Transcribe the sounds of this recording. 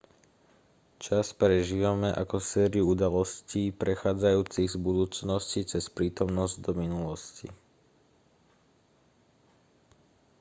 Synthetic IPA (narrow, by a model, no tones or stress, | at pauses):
t͡ʃaspɾɛʒiːʋamɛʔa̰kɔsɛːɾɪuud̪alɔsciːpɾɛxaːd͡zajuːt͡siɣzbud̪uːt͡snɔscit͡sɛspɾiːt̪ɔmnɔzɟd̪ɔminulɔscḭ